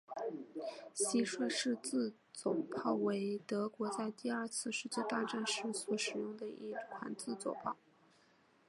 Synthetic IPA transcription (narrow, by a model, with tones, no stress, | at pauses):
ɕi˥ʂwɤ˥˧ʂɻ̩˥˧t͡sɹ̩˥˩ | t͡sʊ˨˩ʊpʰɑ˥˩ʊwe˧˥ɪt̪ɤ˧˥kwɔ˧˥t͡sa˥˧ɪt̪i˥˧ɐ˞˥˧t͡sʰɹ̩˥˧ʂɻ̩˥˧t͡ɕjɛ˥˧t̪a˥˧ʈ͡ʂa˥˩nʂɻ̩˧˥swɔ˧˥ʂɻ̩˨˩jʊ˥˩ŋd̪ə˩ḭ˥˩kʰa̰˧˥nt͡sɹ̩˥˩t͡swɔ˨˩ʊpʰɑ˥˩ʊ